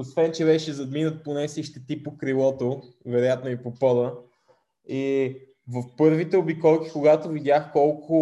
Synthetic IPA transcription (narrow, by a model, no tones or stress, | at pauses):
osvɛnt͡ʃɛbɛʃɛzɐd̪minət̪̚ponɛsiʃt̪ɛt̪ipokɾilˠɔt̪o | vɛɾojat̪noipopɔd̪ə | i | vəfpɤɾvit̪ɛobikɔlˠk̟i̥kʊɡat̪ovid̪jaxkɔlˠkʰʊ